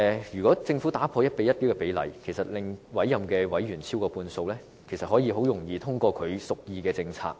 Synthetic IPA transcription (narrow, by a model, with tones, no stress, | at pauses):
ɛ˨jyː˨kɔː˨˥t͡sɪ˧ŋfu˨˥t̪aː˨˥pʰɔː˧jɐ˥t̚pe˨˧jɐ˥t̚pi˥wkɛ˧pe˨˥jlɐ̰˨˩jkʰe˨˩jsɐ˨˩t̚lɪ˨ŋwɐ˨˥jːɐ˨mkɛː˧wɐ˨˥jɥyː˨˩nt͡sʰiː˥wkɔː˧puː˧nso˧wlɛː˥ | kʰe˨˩jsɐ˨t̚hɔː˨˥jiː˧ɦo˨˥wjʊ˨˩ŋjiː˨˧t̪ʰʊ˥ŋkɔː˧kʰɵ˨˧ɥsʊ˨k̚jiː˧kɛː˧t͡sɪ˧ŋt͡sʰa̰ː˧k̚